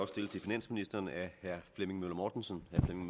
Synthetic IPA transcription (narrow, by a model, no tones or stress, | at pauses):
ɒ̽sd̥e̝lt͡sʰe̝finæn̰sminisd̥ɐːnæhæɐ̰fleme̝ŋmølɐmɒːd̥nsənhæɐflemeŋ